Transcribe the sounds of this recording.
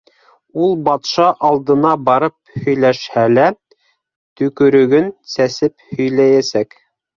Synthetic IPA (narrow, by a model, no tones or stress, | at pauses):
ulˠbɑt̪ʃɑʔɑlˠd̪ɤ̆nɑbɑɾɤp̚hɵ̆jlæʃhælæ | t̪ɵ̆kɵ̆ɾɵ̆ɡɵnsæsɘphɵ̆jlæjæsæk